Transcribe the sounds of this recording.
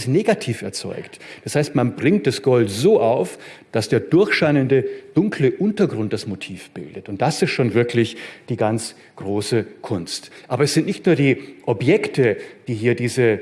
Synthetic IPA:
sneːɡatʰiːfɛɐt͡sɔ̰ʏktd̥ashaɪstmanbʁɪŋt̚d̥asɡ̥ɔltzoːʔaʊf | d̥asd̥eːɐdʊɐçʃaɪnəndəd̥ʊŋkʰləʔʊntɐɡʁʊnt̚d̥asmotʰiːfb̥ɪ̰ldətʊnt̚d̥asɪstʃoːnvɪɐklɪçd̥iːɡant͡s | ɡ̥ʁoːsəkʰʊnstʔaːbɐɛsz̥ɪntnɪçtnuːɐdiːʔɔbjɛktəd̥iːɦiːɐdiːzə

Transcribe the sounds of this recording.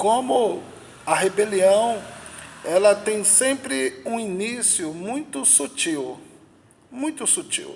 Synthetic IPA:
kõmʊ | ɐɦebeliɐ̃w̃ | ɛlɐt̪ẽj̃sẽmpɾɪũinisjʊmũj̃t̪ʊsut͡ʃiw | mũj̃t̪ʊsut͡ʃḭw

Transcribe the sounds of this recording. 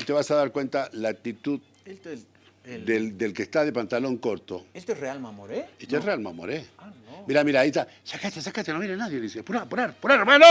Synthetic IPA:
it̪e̞βasaðaɾkwe̞nt̪alaːk̚t̪it̪uð | d̪eld̪elkest̪aðe̞pant̪alo̞ŋko̞ɾt̪oet̪erealmamoɾeit̪esrealma̰mo̰ɾemiɾamiɾait̪a | sakat̪esakat̪enoβjenenaðjeðisepuɾapuɾaɾpuɾaɾmano

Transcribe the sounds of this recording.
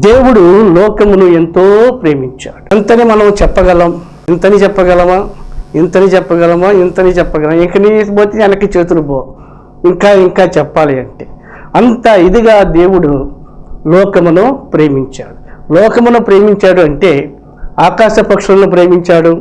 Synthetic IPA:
d̪e̞ːwuɽulɔːkɐmunue̞nt̪oːpɾe̞ːmiɲt͡ʃa̰ːɽunt̪ɐnimɐnɐmt͡ʃɛpːɐɡɐlɐm | nt̪ɐnit͡ʃɛpːɐɡɐlɐmaːent̪ɐnit͡ʃɛpːɐɡɐlɐmaːint̪ɐnit͡ʃɛpːɐɡɐlɐmiŋkɐniboːt̪inɐnɐkit͡ʃeːt̪uɾuboː | iŋkaːiŋkaːt͡ʃɛpːaːliɐɳʈeː | ɐnt̪aːid̪iɡaːd̪e̞ːwuɽu | lɔːkɐmunupɾeːmiɲt͡ʃaːɽulɔːkɐmunupɾe̞ːmiɲt͡ʃaːɽuɐɳʈe̞ː | aːkaːʂɐpɐkʂulɐnup̬ɾeːmiɲt͡ʃaːɽu

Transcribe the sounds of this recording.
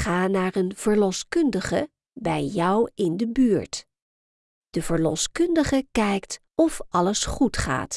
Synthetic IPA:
χaːnaːɹənv̥əɹlɔskɵndəχə̰ | bɛjɔwɪndəbyːɹt | d̥əvəɹlɔ̰skɵndəχəkɛjkt | ɔfʔɑləsχutχa̰ːt

